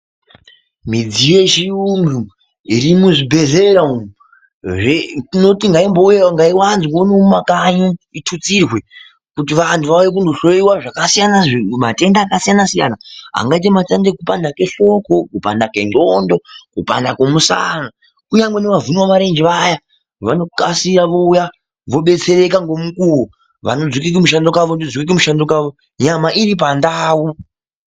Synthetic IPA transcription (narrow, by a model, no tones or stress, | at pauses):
mid͡zije̞ʃiunɡu | iɾimuʐibʱe̞zeɾaum | ʐeino̞tiŋɡaimbojeŋɡaiwanzikoneumakaɲuitʰut͡sirwe̞ | kutiʋantʰuʋaujek̬undoʃoiwaʐakasijanamate̞ndaːkasijanasija̰naɦa̰ŋɡait̬ematandekupandake̞ɬo̞ko̞kupa̰ndake̞nɡondo̞kupa̰ndakemusa̰na | kuɲaŋɡweneʋavuniwaʋaɾe̞nd͡ʒiʋaja | ʋano̞kasiɾaʋo̞uja | ʋo̞ɓe̞t͡se̞ɾe̞kaŋɡo̞mukuwu | ʋa̰nod͡zwik̬ik̬imuʃ̬andokaʋondod͡zwikik̬imuʃandokaʋo̞ | ɲamaʔiɾip̬andaːu